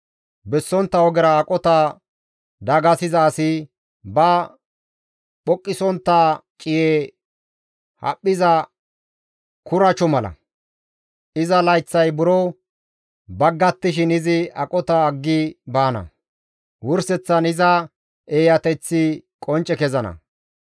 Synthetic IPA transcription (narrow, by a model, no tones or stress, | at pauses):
bɛsːɔnt̪ːɐwɔɡɛɾɐːkʼɔt̪ɐ | d̪ɐɡɐsɪzɐːsɪ | bɐ | ɓɔkʼːɪsɔnt̪ːat͡ʃʼɪjeː | hɐ̰pʼːɪzɐ | kʊɾɐt͡ʃɔmɐlɐ̰ | ɪzɐlɐjt͡sːɐjbʊɾo | bɐɡːɐt̪ːɪʃ̬ɪnɪzɪɐ̰kʼɔt̪ɐːɡːɪbaːnɐ̰ | wʊɾsɛt͡sːɐnɪzɐ | eːjɐt̪ɛt͡sːɪkʼɔnt͡ʃʼɛkɛzɐnɐ̰